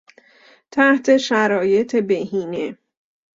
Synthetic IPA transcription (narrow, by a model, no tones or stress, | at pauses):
t̪ʰæht̪ʰe̞ʃæɾɒːje̞t̪ʰe̞beɦiːne